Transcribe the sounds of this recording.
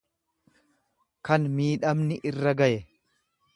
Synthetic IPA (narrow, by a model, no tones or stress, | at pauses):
kɐnmiːᶑɐmnɪʔɪrːɐɡɐʔɛ